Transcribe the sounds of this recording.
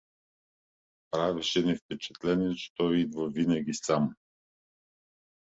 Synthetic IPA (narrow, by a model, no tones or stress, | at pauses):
pɾaviʃɛnɛfpɛt͡ʃɛ̥t̪lɛnɛt͡ʃɛ̥t̪ɔjid̪vəvinɐɡʲisam